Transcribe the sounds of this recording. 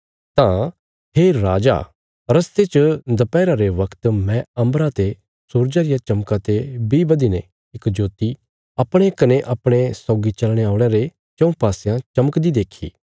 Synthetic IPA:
t̪ã | ɦeːɾaːd͡ʒa̰ː | ɾɐst̪et͡ʃəd̪ɐpɛːɾaɾeʋɐkʰt̪mɛ̃ɐ̃mbɾat̪e | suːɾd͡ʒaɾɪjat͡ʃɐmkat̪ebibɐd̪ine | ɪkd͡ʒoːt̪i | ɐpɽ̃ekɐneʔɐpɽ̃esɔːɡit͡ʃɐlɽ̃eaːʊɽ̃eɾe | t͡ʃɐ̃ũpaːsjãt͡ʃɐməkd̪id̪eːkʰḭː

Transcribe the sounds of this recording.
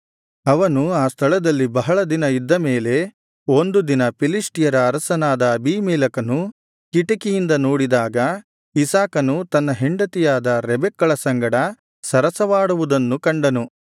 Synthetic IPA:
ɐʋɐnuaːst̪ʰɐɭɐd̪ɐlːibɐɦɐɭɐd̪inɐid̪ːɐmeːle̞ | ond̪ud̪inɐpilisʈijɐɾɐːɾɐsɐnaːd̪ɐːbʱiːmɛːlɐkɐnu | kiʈɐkijind̪ɐnoːɽid̪aːɡɐ | isaːkɐnut̪ɐnːɐɦeɳɖɐt̪ijaːd̪ɐɾɛbɛkːɐɭɐsɐŋɡɐɽɐ | sɐɾɐsɐʋaːɽuʋud̪ɐnːukɐɳɖɐnu

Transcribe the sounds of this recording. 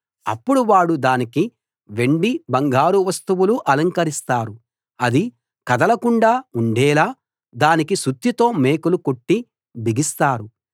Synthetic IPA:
ɐ̰pːuɽuʋaːɽud̪aːniki | ʋe̞ɳɖibɐŋɡaːɾuʋɐst̪uʋuluʔɐlɐŋkɐɾist̪aːɾu | ɐd̪i | kɐd̪ɐlɐkuɳɖaːuɳɖɛːlaː | d̪aːnikisut̪jit̪o̞ːme̞ːkuluko̞ʈːi | bʱiɡist̪aːɾu

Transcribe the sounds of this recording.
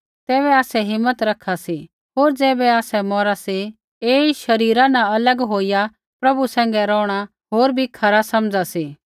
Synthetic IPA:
t̪ɛːβɛaːsɛɦɪmːət̪ɾɐkʰːasi | ɦoːɾd͡ʒɛːbɛaːsɛmɔːɾasi | eːiʃɐɾiːɾãnãɐləɡɦoːija | pɾɐbusɛ̃ːŋ̆ɡɛɾɔːɽ̃a | ɦoːɾbʱikʰɐɾasɐmd͡zasiː

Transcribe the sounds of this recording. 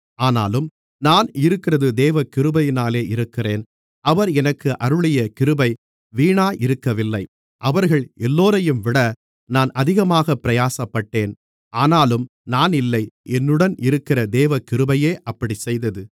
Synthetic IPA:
aːna̰ːlɯm | naːnɪɾɯkːɪrɐðɯd̪eːʋɐkɪɾɯbɐjɪnaːleːɪɾɯkːɪreːn | ɐʋɐɾɛnɐkːɯʔɐɾɯɭɪjɐkɪɾɯbɐɪ | ʋiːɳaːʔɪɾɯkːɐʋɪlːɐɪ | ʔɐʋɐɾɣɐɭɛlːoːɾɐjɯmʋɪɽɐ | naːnɐðɪɣɐmaːɣɐpːɪɾɐjaːsɐpːɐʈːeːn | ʔaːnaːlɯm | naːnɪlːɐɪʔɛnːɯɽɐnʔɪɾɯkːɪrɐd̪eːʋɐkɪɾɯbɐjeːʔɐpːɐɽisɛjðɐðɯ

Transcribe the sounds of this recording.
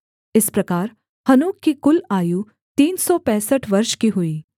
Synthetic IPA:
ɪspɾɐkaːɾ | hɐnuːkːikʊlaːju | t̪iːnsɔpɛ̃ːsəʈʰʋɐɾʃkiɦʊiː

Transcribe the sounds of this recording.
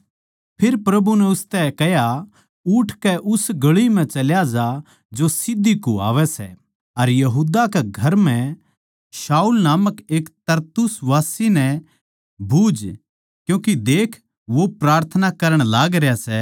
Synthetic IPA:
pʰɪɾpɾɐbunɛʊst̪ɛkɛɦja | ʊʈʰkɛʔʊsɡɐɭimɛ̃t͡ʃɐljad͡ʒa | d͡ʒosɪd̪ːikoa̰ːʋɛsɛ̰ | ɐɾjɐɦuːd̪akɛɡʱɐɾmɛ̃ | ʃaːulnaːməkeːkt̪ɐɾt̪ʊsʋaːsinɛ | bʱuːd͡ʒ | kjũːkid̪eːkʰ | ʋopɾaːɾt̪ʰənakɐɾəɽ̃laːɡɾjasɛ

